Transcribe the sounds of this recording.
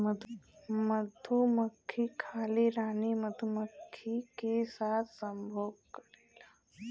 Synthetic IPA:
məd̪ʱuməkʰːiːkʰaliːɾaːniməd̪ʱuməkʰːikesat̪ʰsəmbʱobkəɽela

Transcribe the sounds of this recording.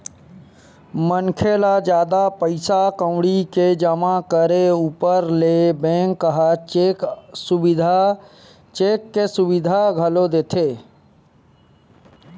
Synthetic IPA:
mənkʰelad͡ʒjaːd̪apəɪsakə̃ʊɽiked͡ʒəmakəɾeuːpəɾlebẽːŋkːəɦa | sʊbɪd̪ʱa | t͡ʃeːkːesʊʋɪd̪ʱaɡʱəlod̪eːt̪ʰeː

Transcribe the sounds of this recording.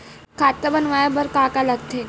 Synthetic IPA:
kʰat̪ːəbənʋajabəɾkakalaɡt̪ʰe

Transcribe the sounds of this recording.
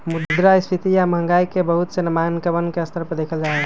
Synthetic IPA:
mud̪d̪ɾaɪst̪ʰit̪ijaməɦəŋɡaːikebəɦʊt̪senɐmaːnkəbənkeɐst̪ʰəɾpəd̪eːkʰəld͡ʒaːeɡ

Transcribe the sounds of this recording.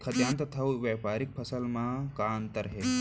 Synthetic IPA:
kʰɐt̪jãːnt̪ɐt̪ʰɐwʋeːpaːɾik̚pʰɐsəlmãːkant̪ɐɾɐɦeː

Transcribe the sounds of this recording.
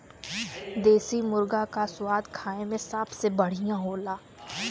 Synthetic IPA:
d̪eːsimʊɾɡakasʊwaːd̪kʰaːẽmẽsəbsebɐɽ̤ijãɦoːlaː

